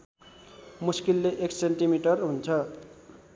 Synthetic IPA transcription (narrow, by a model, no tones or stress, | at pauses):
muskilːeʔekseɳʈimiʈʌrɦunt͡sʰʌ